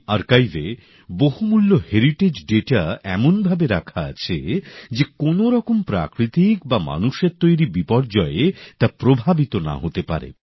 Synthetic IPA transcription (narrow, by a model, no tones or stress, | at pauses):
aɾkajve | boɦumulːoheɾiʈed͡ʑɖeʈaɛmonbʱabeɾakʰaa̰t͡ɕʰed͡ʑekonoɾɔkompɾa̰kɾit̪ikbama̰nuʃeɾt̪ojɾibipɔɾd͡ʑɔeet̪apɾobʱabit̪ona̰ɦot̪epa̰ɾḛ